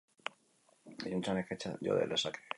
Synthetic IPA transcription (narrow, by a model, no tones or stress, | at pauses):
ejunt͡ʃaneket͡ʃaʝo̰ðḛlesake̥